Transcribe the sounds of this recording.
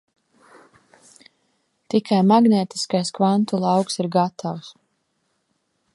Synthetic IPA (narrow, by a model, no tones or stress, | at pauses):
t̪ikʰajmaɡneːt̪i̥skajskvant̪ulˠɑwksiɾɡat̪ʰaws